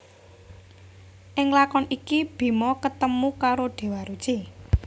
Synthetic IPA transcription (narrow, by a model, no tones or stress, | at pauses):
ʔɪŋlakɔnikib̥i̤mɔkət̪əmukaɾoɖ̪̥e̤waɾud̥ʒ̥i